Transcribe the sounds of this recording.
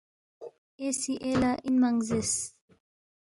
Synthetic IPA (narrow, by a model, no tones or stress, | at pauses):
esiʔelaʔinmaŋzes